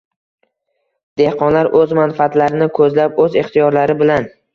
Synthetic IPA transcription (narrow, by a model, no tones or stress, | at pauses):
d̪̥ehqʰɒnlaɾʔɵzmanfat̪laɾɪnɪkʰɵzlap̚ɵzɪχt̪ʰijɒɾlaɾɪbɪlan